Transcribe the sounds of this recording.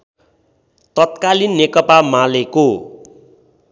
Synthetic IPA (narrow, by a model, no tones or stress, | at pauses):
t̪ʌt̪̚kalinːekʌpamaleko